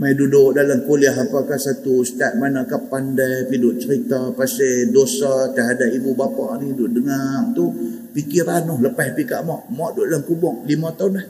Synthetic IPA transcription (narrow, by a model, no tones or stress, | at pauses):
maijdudʊʔdaləmkoliaɦapakahsat̪ust̪at̪̚manaʔkapandajpidʊʔt͡ʃəɾit̪apasedosat̪əɦadapibubapaʔnidʊʔdəŋart̪u | pikiɾanɔhləpahpika̰ʔmɔʔmɔʔdʊʔdalamkubɔŋlimat̪aunah